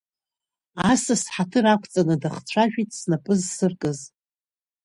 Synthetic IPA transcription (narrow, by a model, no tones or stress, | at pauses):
asɨsħatʰɨɾakʷʰʼt͡sʼanɨdaχt͡ɕʷʰaʒᶣitʼsnapʼɨzsɨrkʼɨz